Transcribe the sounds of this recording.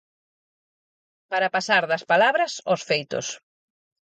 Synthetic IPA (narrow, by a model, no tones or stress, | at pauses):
paɾɐpasaɾðɐspalaβɾɐsosfejt̪ʊ̰s